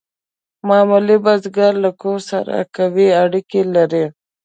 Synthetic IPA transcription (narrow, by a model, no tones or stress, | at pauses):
mɑmulibazɡaɾlakoɾsa̰ɾa̰kawiaɽikelaɾe